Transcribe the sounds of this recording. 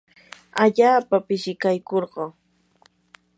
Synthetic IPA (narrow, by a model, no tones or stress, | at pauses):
aʎaːpapɪʃɪkajkoɾɢɑː